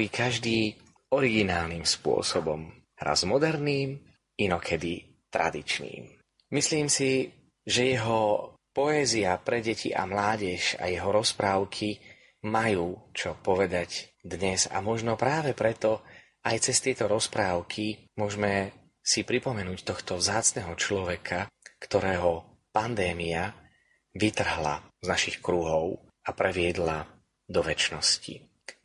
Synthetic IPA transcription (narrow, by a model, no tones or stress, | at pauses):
ikʰaʒd̪iː | ɔɾiɡinaːlnimspʊɔ̰sɔbɔ̰m | ɾʔa̰zmɔd̪ɛɾniːm | inɔkʰɛd̪i | t̪ɾa̰d̪it͡ʃnḭːm | misliːmsi | ʒɛjɛɦɔ | pɔɛziapɾɛɟɛcḭʔa̰mlaːɟɛʃa̰jɛɦɔɾɔspɾaːʊkʰi | majuːt͡ʃɔpɔʋɛd̪aɟd̪ɲɛza̰mɔʒnɔpɾaːʋɛpɾɛt̪ɔ | ajt͡sɛst̪ɪɛt̪ɔɾɔspɾaːʊkʰimʊɔʒmɛ | sipɾipɔmɛnuːct̪ɔxt̪ɔvzaːt͡snɛɦɔt͡ʃlɔʋɛkʰakt̪ɔɾɛːɦɔ | pand̪ɛːmia | ʋit̪r̩ɦla̰znaʃixkɾuɦɔʊ | apɾɛʋɪɛd̪la | d̪ɔʋɛt͡ʃnɔscḭ